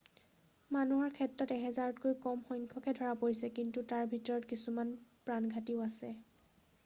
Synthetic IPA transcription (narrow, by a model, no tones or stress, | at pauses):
manuɦɔɹkʰɛtɹɔtɛɦɛzaɹɔtkojkɔmxɔjŋkʰɔkɛdʱɔɹapoɹisɛkintutaɹbʱitɔɹɔtkisumanpɹanɡʱatiʊasɛ